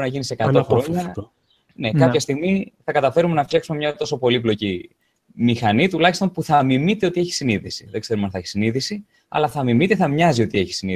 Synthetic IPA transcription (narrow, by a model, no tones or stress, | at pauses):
nɐʝinisekɐt̪oxɾoɲɐ | ne̞kɐpçɐst̪iɣmiθɐkɐt̪ɐfe̞ɾume̞nɐft̪çɐksumemɲɐt̪o̞so̞po̞liplo̞ci | mixɐnit̪ulɐçist̪o̞npuθɐːmimit̪e̞o̞t̪ie̞çi̥siniðisi̥ðeɡ̥se̞ɾumɐnθɐçisiniðisi | ɐ̰lɐθɐmimit̪e̞θɐmɲɐzio̞t̪ie̞çi̥sini